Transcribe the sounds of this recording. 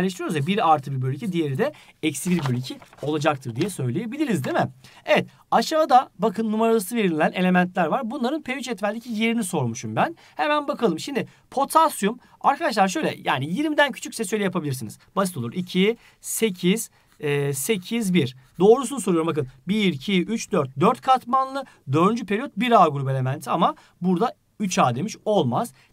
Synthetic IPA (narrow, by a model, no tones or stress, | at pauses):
lʲeʃt̪ɾijoɾuzvɛbiɾaɾt̪ʰɯbiɾbølʲːycʰid̪ijeɾid̪ɛ | ɛcsibiɾbølʲycʰio̞lˠad͡ʒak̚t̪ʰɯɾd̪ijɛsø̞jlʲeje̞bilʲiɾizd̪imɛe̞vɛt̪̚ | aʃavad̪abakʰɯnːumaɾalˠɯsɯve̞ɾinʲilʲænelʲe̞mænt̪lʲæɾvaɾbunlˠaɾɯnpʰeyt͡ʃɛt̪vælʲd̪ʲicʰije̞ɾiniso̞ɾmuʃumbæn | hemænbakʰalˠɯmʃimd̪ɪ | pʰo̞t̪ʰasjum | aɾkʰad̪aʃlˠaɾʃ̬ø̞jlʲɛ̰ja̰ːnijiɾmid̪æncʰy̥t͡ʃʰycʲsɛsø̞jlʲɛjapʰabilʲiɾsinizbasit̪ouɾicʰi | se̞cʰiz̥ː | se̞cʰizbiɾ̥d̪o̞ːɾusunuso̞ɾujumbakɯnbiiɾʲcʰiʔyt͡ʃd̪øɾt̪̚d̪øɾt̪̚kʰat̪manlˠɯ | d̪ø̞ɾd̪ynd͡ʒypʰe̞ɾijot̪̚biɾaːɡuɾupe̞lʲe̞mænt̪ʰiama | buɾd̪a | yt͡ʃaːd̪e̞miʃo̞lˠmaz̥